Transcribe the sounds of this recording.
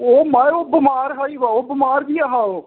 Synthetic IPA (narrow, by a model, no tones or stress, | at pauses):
oːmajoːbɪmaːɾɦaːiːʋaːoːbɪmaːɾd̪iːaɦaːoː